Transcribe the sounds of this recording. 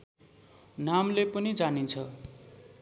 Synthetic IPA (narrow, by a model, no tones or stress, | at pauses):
namlepʌnid͡zanint͡sʰʌ